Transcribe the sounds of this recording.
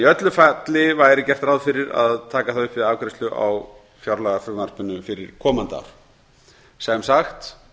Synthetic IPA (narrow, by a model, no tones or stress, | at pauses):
iœt̪lʏfat̪lɪvaːjɾɪcɛr̥t̪ɾawðfɪɾɪɾa̰ðt̪ʰaːkaθaʏhpvɪðaːkɾɪst̪lʏʔa̰w | fjawɾlaɣafʏvmaɾ̥pʏnːʏfɪɾɪ̰ɾ̥kʰɔːmant̪a̰wɾ̥ | sɛmsaxt̪